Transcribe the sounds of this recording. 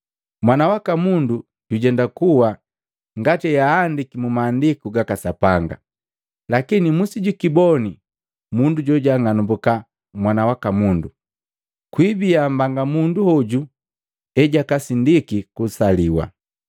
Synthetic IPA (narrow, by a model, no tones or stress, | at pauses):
mwanawakamundu | ɟ̥uɟɛndakuwa | ŋɡatɛjaːndikimumaːndikuɡakasapaŋɡa̰ | lakinimusiɟukibɔni | munduɟɔɟaŋanumbuka | mwanawakamundu | kwibiam̩baŋɡamunduhɔɟu | ɛɟakasindikikusaliwa̰